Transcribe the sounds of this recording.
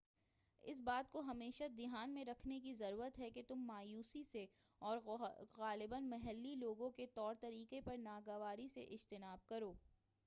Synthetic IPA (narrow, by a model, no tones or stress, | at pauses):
ɪ̰s̬baːt̪̚koɦɐmeːʃad̪ɪɦaːnmẽɾɐkʰnekizɐɾuːɾət̪ɦɛket̪ʊmːaːjuːsise | ɔːɾɣaːlɪbənmɐɦɛlːiloːɡõket̪ɔːɾt̪ɐɾiːkepɐɾnaːɡɐʋaːɾisḛʔɪd͡ʒt̪ɪnaːb̚kɐɾoː